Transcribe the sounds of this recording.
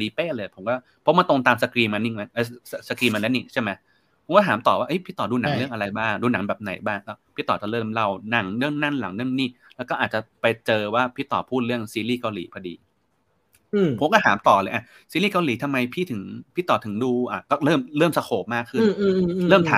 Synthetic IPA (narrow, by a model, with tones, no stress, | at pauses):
diː˧peː˥˩ləɤː˧jpʰo˩˦mkɔː˥˩ | pʰɔ˦˥ma˧t̪o˧ŋt̪aː˧msa˧kɾiː˧ma˧ni˨˩a˧˥ʔa˧˦˩a˧sa˧kɾiː˧ma˧lɛː˦˥ni˨˩ŋt͡ɕʰa˥˩ma˦˥j | pʰo˩˦mkɔː˥˩ɦaː˩˦mt̪ɔː˨˩waː˥˩ʔɤ˦˥jpʰiː˥˩t̪ɔː˨˩duː˧na˩˦lɯ˥˩əŋʔa˧ɾa˧jbaː˥˩ŋduː˧na˨˩˦ŋbɛː˨˩p̚na̰˨˩˦jbaː˥˩ŋkɔː˥˩pʰiː˥˩t̪ɔː˨˩t͡ɕa˨˩lɤː˥˩mla˧˩wna˧˩ŋlɯ˥˩əŋna˥˩nla̰˩˦ŋlɯ˥˩əŋniː˥˩ | lɛː˦˥kɔː˥˩ʔaː˨˩t͡ɕa˨˩pa˧jt͡ɕɤː˧waː˥˩pʰiː˥˩t̪ɔ̰ː˨˩pʰuː˥˩lɯ˥˩əŋsiː˧liː˥˩ka˧wliː˩˦pʰɔ˧dḭː˧˩ | pʰo˨˦mkɔː˥˩haː˩˦mt̪ɔː˨˩lɤː˧jʔa˨˩ | siː˧liː˥˩ka˧wliː˨˩˦t̪ʰa˧mːa˧jpʰiː˥˩t̪ʰɯ˩˦ŋpʰiː˥˩t̪ɔː˨˩t̪ʰɯ˩˦ŋduː˧ʔa˨˩kɔː˥˩ɾɤː˥˩mlɤː˥˩˨msa˧kʰoː˨˩p̚maː˥˩kʰːɯ˥˩n˧lɤː˥˩mt̪ʰaː˨˦